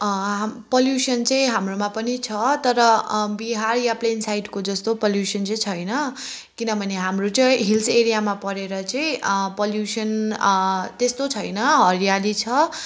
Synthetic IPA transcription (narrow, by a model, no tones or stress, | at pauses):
poljusʌnt͡sʌĩɦamromapʌnit͡sʰʌt̪ʌɾʌbiɦarjaplensajɖkod͡zʌst̪opʌljusʌnt͡sʌĩt͡sʰʌjnʌ | kinʌbʱʌneɦamrot͡sʌɦilseɾijamapʌɾeɾʌt͡sʌĩpʌljusʌn | t̪est̪ot͡sʰʌjnʌɦʌɾijalit͡sʰʌ